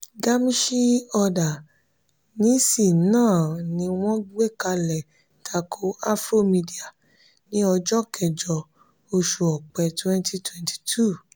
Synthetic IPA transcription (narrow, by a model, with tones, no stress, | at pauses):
ɡa˦mĩ˦ʃi˦ɔ˧da˨ | nĩ˨˦si˦˨nãː˦˨nĩ˧w̃ɔ̃˦ɡ͡be˦˨ka˧lɛ˨ | tʰa˧kʰo˦a˦fɾo˦mĩ˧di˨a˨ | nĩ˨˦ɔ˧d͡ʒɔ˦kɛ˨d͡ʒɔ˧ | o˧ʃu˧ɔ˨k͡pɛ˨twɛ̃˦ntʰi˧twɛ̃˨ntʰi̥˨tʰu˦˨